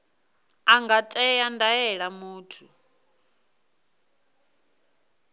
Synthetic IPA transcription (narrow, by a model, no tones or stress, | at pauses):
aŋɡatʼɛjandajɛɺamuːtʰu